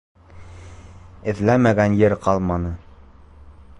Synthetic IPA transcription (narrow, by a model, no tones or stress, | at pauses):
ɘ̆ðlæmæɡænjɘɾqɑlˠmɑnɤ